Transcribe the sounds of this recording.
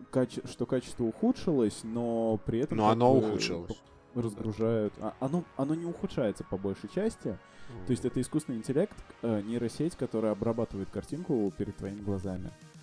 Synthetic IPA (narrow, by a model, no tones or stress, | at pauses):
kat͡ɕɪʂt̪o̞kat͡ɕɪ̥st̪vəʊxut̪ʂɨlˠəsʲno̞pɾʲɪɛt̪ənmoɐnoʊxuʂɨ̰lˠ | rəzɡɾʊʐajʊt̪ɐ̰ʔɐnoɐno̞nʲɪʊxʊtʂajɪt̪sə̥pɐbo̞lʲʂɨjt͡ɕæsʲtʲɪ | t̪oɪsʲtʲɛt̪əɪskust̪nɨɪnʲtʲɪlʲe̞kt̪ənʲiɾəsʲetʲkɐt̪o̞ɾɨjəɐbɾɐbat̪ɨvəjɪt̪kɐrtʲinkʊpʲɪɾʲɪd̪t̪ːvɐimʲɪɡlˠɐzamʲɪ̰